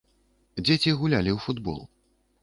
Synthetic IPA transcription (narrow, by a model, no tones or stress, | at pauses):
d͡zʲet͡sʲiɣulʲalʲiwfud̪bɔ̰lˠ